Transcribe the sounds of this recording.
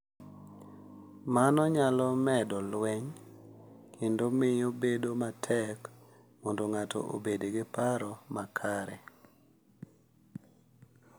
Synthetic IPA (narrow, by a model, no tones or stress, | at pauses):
manɔɲalɔmɛdɔlwɛɲ | kʰendomɪobedomatʰɛk | mɔndoŋatʰɔ̰ʔo̰bedeɡɪpaɾɔmakʰaɾɛ